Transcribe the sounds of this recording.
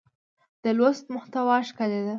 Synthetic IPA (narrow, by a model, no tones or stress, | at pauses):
d̪̥əlwost̪mʊxt̪awɑʃkaled̪a